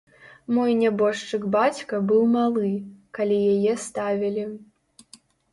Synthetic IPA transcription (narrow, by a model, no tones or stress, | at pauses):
mɔjnʲabɔʂt͡ʂɨkbat͡sʲkɐbɨwmalˠɨkalʲijajɛst̪avʲilʲi